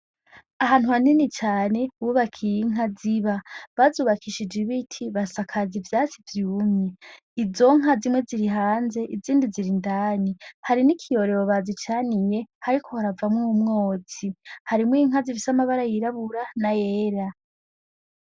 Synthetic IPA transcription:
aɦaːn̥huhaninit͡ʃaːne̞βuβakʰijiŋ̥ɦaziβaβazuβakʰiʃid͡ʒiβitʰiβasakʰazivjaːt͡sivjuːmɲe | izo̞ŋ̥azimwe̞ziɾiɦaːnze̞ʔiziːndiziɾindaːnihaɾinikʰijo̞ɾe̞βoβazit͡ʃanije̞haɾikʰo̞haɾavamŋumŋo̞ːt͡sihaɾimujiŋazivisamaβaɾajiɾaβuɾanajeːɾa

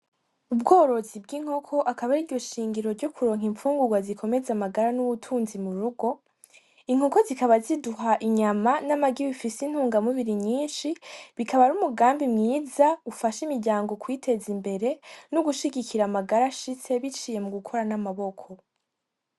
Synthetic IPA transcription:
ubɡo̞ːɾo̞zib̚ɡiŋ̥ho̞kʰo̞ʔakaβaɾiɾɟo̞ʃiːŋɡiɾo̞ɾɟo̞kʰuɾo̞ːŋ̥iɱfuːŋɡuɡwazikʰo̞me̞zamaɡaɾanuβutʰuːnzimuɾuɡo̞ | iŋ̥hoko̞zikaβaziduɦaʔiɲamanamaɡiβifisin̥huːŋɡamuβiɾiɲiːnʃiβikʰaβaɾumuɡaːmbimŋiːzaufaʃimiɾɟaːŋɡo̞kwiːtʰe̞zimbe̞ɾe̞nuɡuʃiɡikʰiɾamaɡaɾaʃit͡se̞βit͡ʃiːje̞muɡukʰo̞ɾanamaβo̞kʰo̞

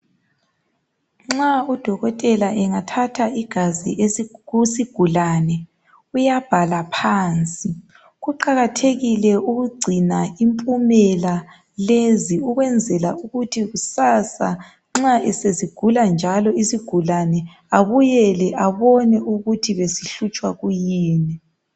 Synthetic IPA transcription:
ŋ͡ǁaud̥ʱɔɣɔtʼɛlaʔɛŋatʰatʰaiɡ̥ʱazḭusiɡ̥ʱulanɛ | ujab̥ʱalapʰaːnt͡sʼi | ɣuǃaɣatʰeɣilɛuɣuɡ͡ǀʱinaimpʼumɛla | leziuɣwɛnd͡zʱɛlauɣutʰiɣusasa | ŋ͡ǁaɛseziɡ̥ʱuland͡ʒʱalɔisiɡ̥ʱulanɛ | aβujɛlɛʔaβɔnɛʔuɣutʰiβesiɬut͡ʃʼwaɣujiːnɛ

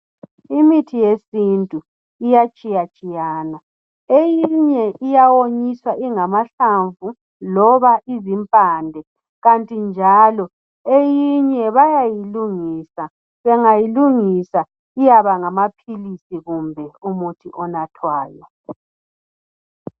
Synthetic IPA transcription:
imitʰijesintʼu | ijat͡ʃʼijat͡ʃʼijaːna | ejiɲɛʔijawoɲiswaʔiŋamaɬaɱvu | lɔβaʔizimpʼaːndʱɛ | ɣantʼind͡ʒʱalɔ | ejiɲɛβajajiluŋiːsa | βɛŋajiluŋisa | ijaβaŋamapʰilisiɣumbʱɛumutʰiʔɔnatʰwaːjɔ

